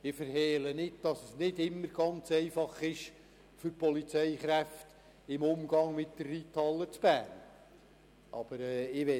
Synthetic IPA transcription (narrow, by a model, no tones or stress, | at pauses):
ɪfəɾhɛːlənɪd̚d̥ɑsəsnɪdɪmːəɾɡ̥ɑnt͡sɛɪfɑχɪʃ | fʏɾpɔlit͡sɛɪχɾæft | ɪmʊmɡ̥ɑŋmɪt̚d̥ərːiːtʰɑlːət͡sb̥æːn | ʔɑb̥əɾɛːɪʋɛ